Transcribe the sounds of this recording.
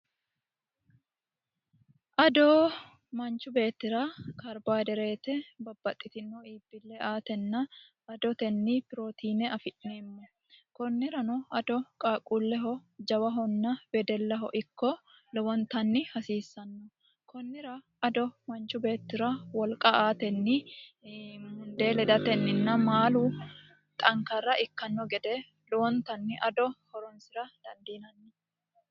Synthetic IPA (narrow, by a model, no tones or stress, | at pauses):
ʔɐd̪oː | mɐnt͡ʃʊbe̞ːt̪ːɪɾaːkɐɾbaːd̪ɛɾe̞ːt̪ɛbɐbːɐt̪ʼːɪt̪ɪnɔiːbːɪlːɛʔaːt̪ɛnːɐ | ɐd̪ɔt̪ɛnːiːpɪɾoːt̪ʰiːnɛɐfɪʔneːmːɔ | kɔnːɪɾɐnɔɐd̪ɔkʼaːkʼuːlːɛɦɔd͡ʒɐwɐɦɔnːɐbɛd̪ɛlːɐɦɔ̰ʔɪkːɔ | lɔwɔnt̪ɐnːɪhɐsiːsːɐnːɔ | kɔnːɪɾɐ | ɐd̪ɔmɐnt͡ʃʊbe̞ːt̪ːɪɾɐwɔlkʼɐaːt̪ɛnːɪ | mʊnd̪e̞ːlɛd̪ɐt̪ɛnːɪnːɐmaːlu | t̪ʼɐŋkɐrːɐʔɪkːɐnːɔɡɛd̪ɛ | lɔwɔnt̪ɐnːɪʔɐd̪ɔhɔɾɔnsɪɾɐd̪̥ɐnd̪iːnɐnːɪ